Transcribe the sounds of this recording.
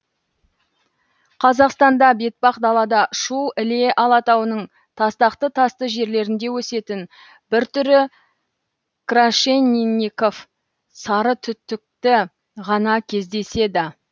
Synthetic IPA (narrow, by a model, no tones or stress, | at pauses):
qʰɑzɑqst̪ɑnd̪ɑbe̞t̪̚bɑqd̪ɑlˠɑd̪ɑʃuɪle̞ʔɑlˠɑt̪ɑwənəɴ | t̪ʰɑst̪ɑqt̪ət̪ʰɑst̪əʒe̞ɾle̞ɾɪnd̪e̞wɵse̞t̪ɪn | bɪɾt̪ʏɾɪ | kraʃenːinʲiko̞f | sɑɾət̪ʰʏt̪ːɪk̚t̪ɪ | ʁɑnɑkʲʰe̞zd̪e̞se̞d̪ɪ